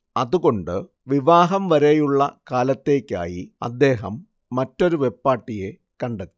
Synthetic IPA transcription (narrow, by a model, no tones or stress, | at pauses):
ɐðuɣo̞ɳɖɨ | ʋiʋaːɦɐmʋɐɾejuɭːɐkaːlɐt̪ːe̞ːkʲːa̰ːjiɐ̰d̪ːe̞ːɦɐmː | ɐtːo̞ɾuʋe̞pːaːʈːije̞ | kɐɳɖɐt̪ːi̥